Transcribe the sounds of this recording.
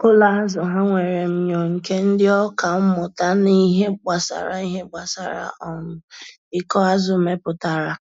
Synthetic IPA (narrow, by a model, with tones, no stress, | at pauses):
ʊ˦la˦a˦zʊ˨ɦa˦ŋʷe˨ɾe˨m̩˦ɲo˨ŋ̩˨ke˦n̩˦dɪ˦ɔ˦ka˨m̩˦mʊ˨ta˦ni˦ɦe˦ɡ͡ba˨sa̰˨ɾa̰˨i˦ɦe˦ɡ͡ba˨sa̰˨ɾa̰˨ʔɔ˨nʊ˨ | ɪ˦kɔ˦a˦zʊ˨me˦pʊ˨ta˨ɾa˨